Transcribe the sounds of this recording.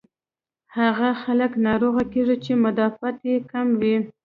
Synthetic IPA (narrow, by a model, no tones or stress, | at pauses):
haɣaxaləknɑɾoɣakeʐit͡ʃemʊd̪ɑfat̪jekamwi